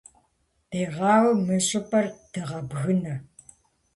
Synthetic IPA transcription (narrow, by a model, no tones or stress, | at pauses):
eːʁɑːwɐmɨɕʼɪpʼɐrtʰɨʁɐbɣɨnɐ